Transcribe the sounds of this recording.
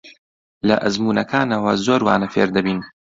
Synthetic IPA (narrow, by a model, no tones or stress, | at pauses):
lɐ̰ʔɐzmuːnɐkʰaːnɐwɐzoːɾwaːnɐfeːɾd̪ɐbiːn